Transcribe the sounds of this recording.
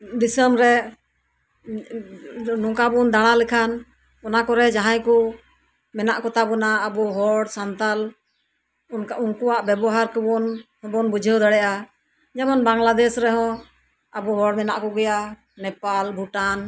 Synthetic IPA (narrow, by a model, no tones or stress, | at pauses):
d̪isəmɾɛ | nɔ̃kabund̪aɽ̃alɛkʰan | ɔnakɔɾɛd͡ʒaɦãjkɔ | mɛnaʔkɔt̪abɔnaːbɔɦɔɽsant̪al | uŋkuwaʔbɛbɔɦaɾkəbɔnhɔ̃bɔnbud͡ʒʱəd̪əɽɛʔa | d͡ʒɛmɔnbaŋlad̪ɛsɾɛɦɔ̃ | abɔɦɔɽmɛnaʔkɔɡɛja | nɛpalbʱuʈan